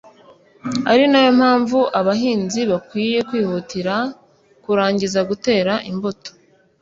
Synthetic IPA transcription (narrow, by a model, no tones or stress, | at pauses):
aɾinajo̞m̥haːɱvuʔaβaɦiːnziβakwiːje̞kwiːhutiɾa | kuɾaːɲɟizaɡute̞ːɾaʔimbo̞to̥